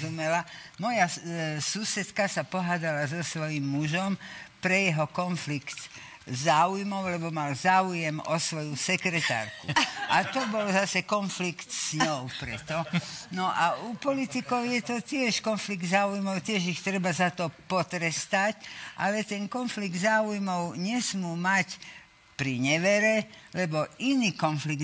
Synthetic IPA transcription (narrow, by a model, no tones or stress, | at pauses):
umɛlamɔjasuːsɛt̪kasapɔɦaːd̪alazɔsʋɔjimːuʒɔmpɾɛjɛɦɔkɔnflikt̪ | zaːujmɔʊlɛbɔmalzaːujɛmɔsʋɔjusɛkɾɛt̪a̰ːɾkṵat̪ɔbɔlzasɛkɔnflikt̪sɲɔʊpɾɛt̪ɔnɔʔaupɔlit̪ikɔʊjɛt̪ɔt̪ɪɛʃkɔnfliɡd̪zaːujmɔʊt̪ɪɛʒixt̪ɾɛbazat̪ɔpɔt̪ɾɛst̪acʔa̰lɛt̪ɛnkɔnfliɡ̚d̪zaːujmɔʊɲɛsmuːmac | pɾiɲɛʋɛɾɛlɛbɔʔiniːkɔnfliɡ